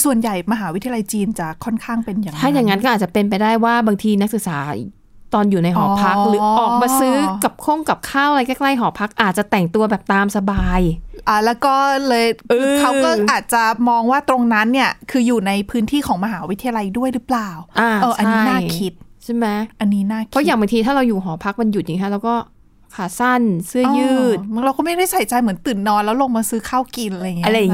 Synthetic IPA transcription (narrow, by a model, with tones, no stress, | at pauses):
su˨˩ənja˨˩jma˧ɦaː˩˦wt̪ʰi˧a˧jt͡ɕiː˧nt͡ɕa˨˩kʰɔ˥˩nkʰaː˥˩ŋpe˧nja˨˩ŋt̪ːʰaː˥˩˦ja˨˩ŋːa˦nkɔ˥ʔa˨˩t͡ɕa˨˩pe˧np̬a˧jdaː˥˩jwaː˥˩baː˧ŋt̪ʰiː˧na˦˥k̚sɯ˨k̚saː˩˦ | t̪ɔː˧njuː˨˩na˧jɦɔː˩˨pʰa˦˥k̚lɯː˨˦ʔɔː˨˩k̚maː˧sɯː˦˥ka˨˩p̚kʰo˥˩ŋka˨˩p̚kʰaː˥˩wɾa˧jkɛː˥˩kla˥˩jɦɔː˩˦pʰa˦˥k̚ʔaː˨˩t̪̚t͡ɕa˨˩t̪ɛ˨˩ŋt̪u˧ɐbɛː˨˩p̚t̪aː˧msa˧baː˧jʔaː˨˩lɛː˦˥wkɔː˥˩lɤː˧jkʔɯɯː˧a˧wɤː˥˩ʔaː˨˩t̪̚t͡ɕa˨˩mɔː˧ŋwaː˥˩t̪ɾo˧ŋna˦˥nːi˥˩ɐkʰɯː˧juː˨˩na˧jpʰɯː˦˥nt̪ʰiː˥˩kʰɔː˩˦ŋma˧ɦaː˩˦wi˦t̪ʰːa˧ja˧la˧jdu˥˩əjɾɯ˦˥plaː˨˩wʔaː˧˩ʔɤː˧˩ʔt͡ɕa˧naiː˥˦˥naː˥kʰi˦˥t̪̚t͡ɕʰa˥˩mɛ˦˥ʔa˧nːiː˦˥naː˥˩pʰɔ˦˥jaː˨˩ŋba˧t̪ʰiː˧aː˥˩ɾa˧wjuː˨˩ɦɔː˩˦pʰa˦˥k̚ma˧nju˨˩t̪̚jiː˨˩ŋtʰa˦˥ɾaː˧wkɔː˥˩ | kʰaː˨˩sa˥˩nsɯ˥˩ɐ˨˧jɯː˥˩˥t̪̚m˧˦ŋɾa˧wkɔ˥˩ma˥˩jkʰa˥˩jsa˩˦jt͡ɕa˧jmɯ˩˦ənt̪ɯː˨˩nːɔː˧nlɛː˦˥wlo˧ŋmaː˧sɯː˦˥kʰaː˥˩wki˧n˧jŋi˦ʔɾa˧ja˨ŋ